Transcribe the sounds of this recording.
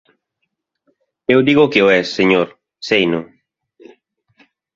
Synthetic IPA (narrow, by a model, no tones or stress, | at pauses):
ewd̪iɣokeoɛsːeɲoɾ | sejno